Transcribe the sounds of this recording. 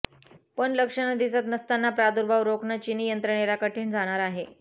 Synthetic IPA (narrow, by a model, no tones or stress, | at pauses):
pəɳləkʂənad̪isat̪nəst̪anːapɾad̪uɾbʱaʋɾoknat͡ɕinijənt̪ɾəɳeɾakəʈʰiːɳd͡zʱaɽ̃aɾaɦe